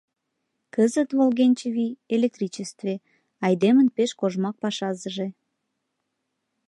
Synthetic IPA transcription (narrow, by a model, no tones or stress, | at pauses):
kəzət̪volɣenʲt͡ɕevielek̚t̪rit͡ɕest̪ve | ɑjd̪emənpeʃkoʒmɑk̚pɑʃɑzəʒe